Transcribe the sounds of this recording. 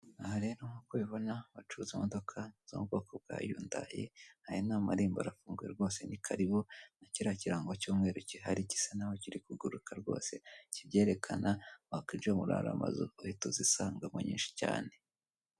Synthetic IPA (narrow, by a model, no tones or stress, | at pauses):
ahaɾe̞ːɾoŋokweβo̞naβat͡ʃuzimodo̞kʰaz̥o̰mub̚ɡo̞kʰob̚ɡa̰ːjuːnda̰jḛhaɾinaːmaɾiːmbo̰ɾafuːŋɡujeɾɡo̞ːse̞nikʰaɾiβonaciɾaciɾaːŋɡocuːmŋe̞ːɾuciɦaɾici̥sanawociɾikuɡuɾukaɾɡo̞̰ːse̞cibɟe̞ːɾe̞kʰanaβakiːnd͡ʒomuɾa̰ɾa̰ma̰zuohitozisaːŋɡamuɲḭːnʃi̥ca̰ːne̞